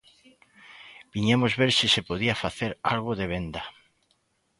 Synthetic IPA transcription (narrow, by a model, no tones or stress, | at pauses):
b̥iɲamozβeɾsisepoð̞iafaθeɾa̰lɣoðeβ̞end̪ɐ